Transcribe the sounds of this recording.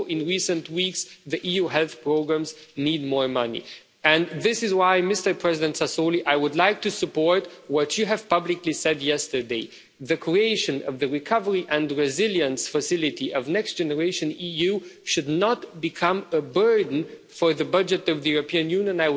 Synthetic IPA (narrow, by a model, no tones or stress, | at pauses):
ʔɪ̃nɹisə̃ntwiksðiʔijuɦɛlˠθpʰɹ̥oʊɡɹæ̃mznid̚mɔɹmʌnḭ | ɨ̃nðɪsɨzwaɪmɪstə˞pʰɹ̥ɛzɪdɨ̃ntsasoliʔaɪwʊdlaɪk̚tʰɨsɨpɔɹtwʌt͡ʃɨɨv̥pʌblɨklisɛdjɛstə˞deɪ | ðɨkʰɹ̥ieɪʃɨ̃nʌ̰vðɨɹɨkʰʌvə˞iʔɨ̃ndɹɪzɪlˠjɨ̃nsfəsɪlˠɨtiʔʌvnɛkstd̥ʒ̥ɛnə˞eɪʃɨ̃nijʉʃɨdⁿnətbɨkʰʌ̃məbɜ˞dⁿn̩ | fə˞ðɨbʌd͡ʒɨɾʌvðɨjuɹɨpʰĩɨ̃njʉ̃njə̃naɪ